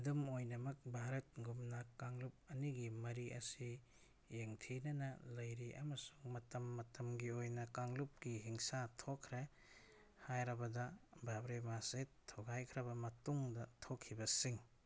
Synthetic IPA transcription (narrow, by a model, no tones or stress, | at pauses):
dɐmojnɐmɐk̚bʱaɾɐt̚ɡumnɐkaŋlup̚ɐniɡimɐɾiʔɐsi | jeŋtʰinɐnɐlɐjɾiʔɐ̰mɐsu̥ŋmɐtɐmːɐtɐmɡiojnɐkaŋlup̚ɡiɦiŋsatʰokʰːɾe | hajɾɐbɐdɐbʱabɾemasetʰoɡajkʰɾɐbɐmɐtuŋdɐtʰokʰːibɐsiŋ